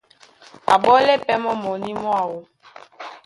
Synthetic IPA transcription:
a̰˨ɓɔ˦lɛ˦pɛ˦mɔ˦mɔ˨ni˦mɔ˦a˨wo˦

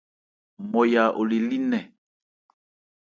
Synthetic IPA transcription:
mɔ˨ja˨ʔo˨li˨li˦nɛ˨

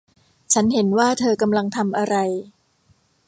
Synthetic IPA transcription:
t͡ɕʰa˦˥nɦe˩˦nwaː˥˩t̪ʰɤː˧ka˧mla˧ŋt̪ʰa˧mʔa˧ɾa˧j

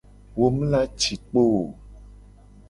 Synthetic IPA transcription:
wo˦m̃˦la˦t͡ʃi˨k͡po˦˨

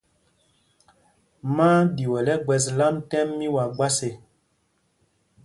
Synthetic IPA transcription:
maː˦di˨wɛ˨lɛ˦ɡ͡bɛ˨s̬la˦mtɛ˦mːi˦wa˨ɡ͡ba˦se˨

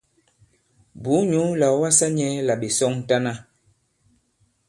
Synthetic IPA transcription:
bu˨˦ɲu˨˦la˨˦wa˦sa˦ɲɛ˦la˨ɓe˨sɔ˦ŋ˦ta˦na˦

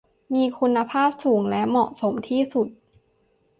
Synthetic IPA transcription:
miː˧kʰu˧nːa˧pʰaː˥˩p̚suː˩˦ŋlɛ˦˥ʔmɔ˨˩ʔso˩˦mt̪ʰiː˥˩su˨˩t̪̚

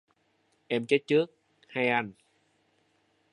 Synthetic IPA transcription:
ʔɛ˧mt͡ɕe˦˥t̪̚t͡ɕɨ˦˥ək̚ | ha˧jʔa˧n

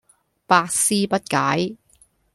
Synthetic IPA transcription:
paː˧k̚siː˥pɐ˥t̚kaː˨˥j

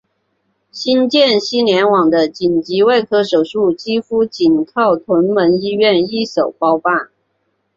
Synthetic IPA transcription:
ɕi˥nt͡ɕjɛ˥˩˨nɕi˥njɛ˧˥nwɑ˨˩ŋd̪ə˦t͡ɕi˨˩nt͡ɕi˧˥we˥˩ɪkʰɤ˥ʂo˨˩ʊʂu˥˩t͡ɕi˥fu˥t͡ɕi˨˩nkʰɑ˥˩ʊt̪ʰwə˧˥nmə˧˥ni˥ɥɛ˥˧ni˥˩so˨˩ʊpɑ˥ʊfa˥˩n

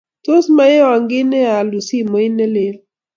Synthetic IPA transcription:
to˦sma˦e˦wa˨ŋɡɪ˦nɛ˦a˨lu˨si˦˨mɔ˨ɪ˦nɛ˦lɪ˦l

